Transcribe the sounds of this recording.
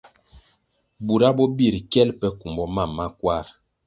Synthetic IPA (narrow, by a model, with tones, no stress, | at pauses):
bu˨ɾa˦bɔ˦bi˦˨ɾkɛ˦lpɛ˦ku˨mbɔ˦ma˦˨mːa˦kwa˦˨ɾ